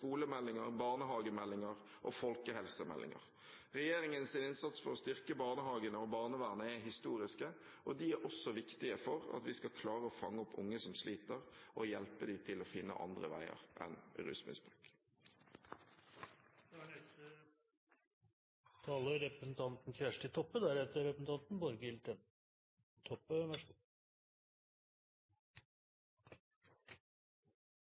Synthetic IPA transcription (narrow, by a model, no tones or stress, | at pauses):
kuːləmɛlːɪŋəʁbɑːʁnəɦɑːɡəmɛlːɪŋəʁ | ʔoːfɔlkəhɛlsəmɛ̰lːʔɪ̰ŋə̰ʁ | ʁɛjeːɾɪŋənsɪnɪnsɑt̪sfɔɾɔst̪ʏʁkəbɑːʁnəɦɑːɡənəɔbɑːʁnəʋæːʁnəɛɦɪst̪uːɾɪskə | ʔɔd̪iæɾʔɔsːɔʋɪkt̪ɪəfɔʁɑ̰t̪ʋɪskɑkʰlɑːʁəɔfɑŋːəɔpʰːʊ̰ŋːəsɔmslʔiːt̪əʁʔɔjɛlpəd̪iːt̪ʰɪlɔfɪnːə̰ʔɑ̰nd̪ʁə̰ʋæ̰ɪə̰ʁʔɛ̰nɾʉ̰ːsmɪ̰nsbʁʉːk | d̪æɖɛə | t̪ʰɑːləɾɛpɾəsn̩t̪ʰɑnt̪n̩fjæʂʈət̪ʰɔpːəd̪æɾheːt̪əɾɾɛpəsn̩t̪ʰɑnt̪nbɔɾɡəɪlt̪ən | t̪ʰɔpːəʋæʂ